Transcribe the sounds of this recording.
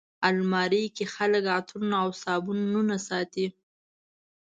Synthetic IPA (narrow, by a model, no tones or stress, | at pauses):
almɑɾijkexaləkat̪ʰunaawsɑbunnunasɑt̪i